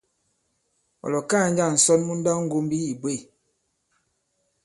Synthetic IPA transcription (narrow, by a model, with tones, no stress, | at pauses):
ɔ̰˨lɔ˨ka˦˨ɲ̩˦d͡ʒa˦˨n̩˨sɔ˦nmu˦n̩˦da˦ŋ̩˦ɡo˦m˦bi˦i˨bwe˦˨